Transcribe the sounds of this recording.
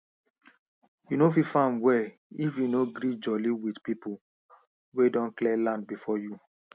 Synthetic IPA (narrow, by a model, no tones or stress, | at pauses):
junofifãnwɛ | ifjunoɡɾid͡ʒɔliwidpipu | wedɔ̃nklɛlãnd̚bifɔju